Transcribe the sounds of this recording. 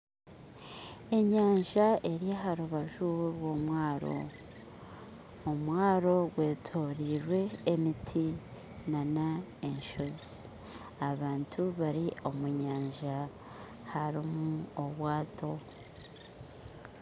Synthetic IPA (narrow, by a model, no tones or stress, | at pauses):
e̞ɲaːɲʒae̞ɾiaɦaɾuβaʒuɾwo̞mwaːɾo̞̰ | omwaːɾo̞ɡwe̞ːtʰo̞ːɾiɾwe̞ːmitʰi | nana | e̞ɲʃozi | aβaːntʰuβaɾio̞muɲaːɲʒa | haɾimuoβwaːtʰo̞